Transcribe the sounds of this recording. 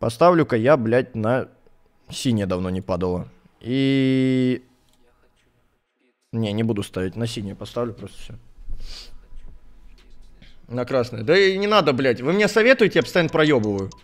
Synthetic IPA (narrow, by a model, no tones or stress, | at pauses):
pɐst̪avlʲʊkəjablʲætʲnə | sʲinʲɪjəd̪ɐvno̞nʲɪpad̪əlˠə | i | nʲenʲɪbud̪ʊst̪avʲɪtʲnəs̬ʲinʲɪjəpɐst̪avlʲʊpɾost̪ə̥fsʲo | nɐkɾasnəjəd̪ənʲɪnad̪əblʲætʲvɨmnʲesɐvʲe̞t̪ʊjɪtʲɪjaɐpəsjant̪pɾɐjobəvəjʊ